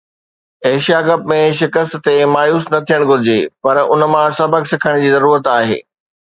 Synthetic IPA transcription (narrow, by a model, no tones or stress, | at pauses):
eɦʃijaɡɐb̚mẽʃɪkəst̪t̪emaːjuːsnɐt̪ʰijəɽ̃ɡʱʊɾɪd͡ʑepɐɾʊnmãsɐbʱəksɪkʰəɽ̃d͡ʑiːzɐɾuːɾət̪aːɦḛː